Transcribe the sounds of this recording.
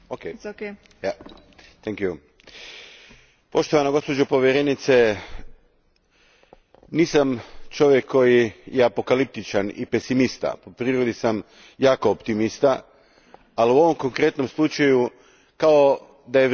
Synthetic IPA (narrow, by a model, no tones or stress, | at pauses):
oke | t̪ɛŋkju | po̞ʃt̪oʋanaɡo̞spo̞d͡ʒopo̞ʋjeɾenit̪se̞ | niːsamt͡ʃo̞ʋjekʰːo̞jijeapo̞kalip̚t̪it͡ʃanḭpe̞simist̪a̰po̞pɾiːɾod̪isam | jaːkoːpt̪imist̪a | aliuo̞ʋo̞mko̞ŋkɾe̞t̪no̞mslˠut͡ʃaju | kao | d̪aje